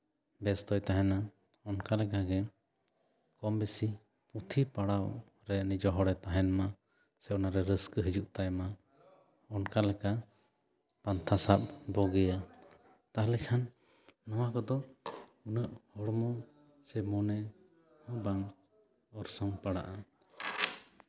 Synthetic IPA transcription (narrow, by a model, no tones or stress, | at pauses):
bɛst̪ɔjt̪aɦɛna | ɔnkalɛkaɡɛ | kɔmbɛsi | put̪ʰipaɽaw | ɾɛnid͡ʒɔɦɔɽɛt̪aɦɛnma | sɛʔɔnaɾɛɾəskəɦəd͡ʒuʔt̪ajma | ɔnkalɛka | pant̪ʰasap̚bɔɡɛja | t̪aɦlɛkʰanː | ɔwakɔd̪ɔunəʔhɔɽmɔ | sɛmɔnɛ | hɔ̃baŋ | ɔɾsɔŋpaɽa̰ʔa